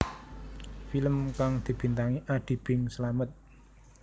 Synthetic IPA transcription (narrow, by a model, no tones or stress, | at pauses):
filəmkaŋd̪̥i̤b̥i̤nt̪aŋiʔaɖ̪̥i̤b̥ɪŋsəlamət̪̚